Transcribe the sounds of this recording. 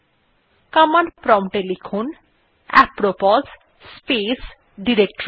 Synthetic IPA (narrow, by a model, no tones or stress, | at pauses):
kamanpɾɔmʈelikʰun | ɛ̰pɾopɔz | spes | ɖiɾekʈɾ